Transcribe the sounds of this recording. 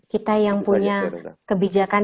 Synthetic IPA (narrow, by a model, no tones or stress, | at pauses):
kit̪ajaŋpuɲakəbid͡ʒakan